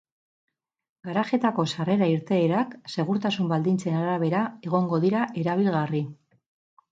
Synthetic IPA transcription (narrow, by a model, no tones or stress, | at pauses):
ɡaɾaxe̞t̪ako̞sare̞ɾaiɾt̪e̞ːɾakse̞ɣ̞uɾt̪asumbald̪int͡se̞naɾaβ̞e̞ɾae̞ɣ̞o̞ŋɡo̞ðiɾaʔe̞ɾaβ̞ilɣari